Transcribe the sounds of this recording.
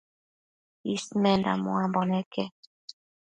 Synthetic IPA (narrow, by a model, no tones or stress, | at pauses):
ismɛnda̰mṵambɔnɛkɛ